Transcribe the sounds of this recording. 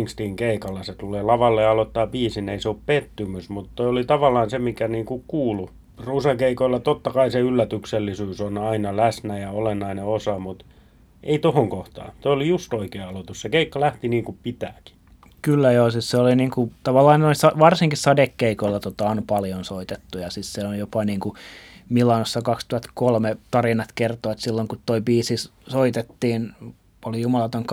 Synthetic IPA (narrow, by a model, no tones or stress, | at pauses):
ŋkst̪iːŋkeikɑlːeset̪uleːlɑʋɑlːeɑlot̪ːɑːpiːsineiseoppet̪ːymysmut̪t̪oiolit̪ɑʋɑlːˑɑːnsemikæniːŋkukuːlu | rusekeikoilːɑt̪ot̪ːɑkɑiseylːæt̪ykselːisyːsonɑinɑlæsnæjɑolenːɑineosɑmut̪ | ʔḛit̪ohoŋkoht̪ɑ̰ːnt̪oiolijust̪oikeːɑlot̪ussekeikːɑlæht̪iniːŋkupit̪æːki̥ | kylːæjoːsisseoliniːŋkut̪ɑʋɑlːɑːnnoisɑʋɑrsiŋkissɑdekːeikoilːɑt̪ot̪ɑonpɑljonsoit̪et̪ːujɑsisseonjopɑniːŋkumilːɑnosːɑkɑkst̪uhɑt̪kolmet̪ɑrinɑt̪kert̪oɑt̪silːoŋkut̪t̪oibiːsis | soit̪et̪ːiːn | olijumɑlɑt̪oŋk